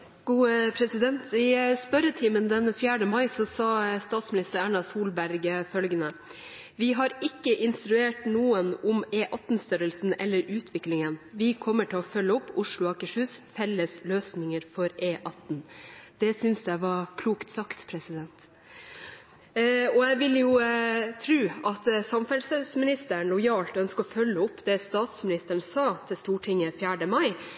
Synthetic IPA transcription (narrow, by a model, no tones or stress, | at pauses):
ɡ̥uːpʰɾɛsɪd̪ɛnt̪ɪspœɾət̪ʰiːmənd̪ɛnfjæːɖəmɑɪsɔsɑːst̪ɑːt̪smɪnɪst̪əɾæːɳɑsuːlbæɾɡəfœlɡənə | ʋɪɦɑɾɪkːəʔɪnst̪ɾʉeːʈnuːənʊmeːʔɑt̪n̩st̪œɾəlsn̩ɛ̰lːəɾʉːt̪ʰʋɪklɪŋənʋɪkʰɔmːəʈʰɪlɔfœlːəɔpːʊʂɭʊɑkəʂʉːsfɛlːəsløːsnɪŋəɾfɔɾeːʔɑt̪n̩d̪̥ɛsʏnsd̪æɪʋɑɾkʰluːkt̪sɑkt̪pʰɾɛsɪd̪ɛnt̪ | ɔæɪʋɪljʊt̪ʰɾʉːʔɑt̪sɑmfɛlsəsmɪnɪst̪əɳlʊjɑːlt̪œnskəɔfœlːəɔpːd̪ɛst̪ɑːt̪smɪnɪst̪əɳsɑːt̪ʰɪlst̪uːʈʰɪŋəfjæːɖəmɑɪ